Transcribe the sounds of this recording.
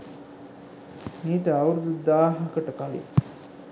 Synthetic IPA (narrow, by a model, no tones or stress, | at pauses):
miːʈəawɾud̪ud̪aːɦɐkəʈəkalḭ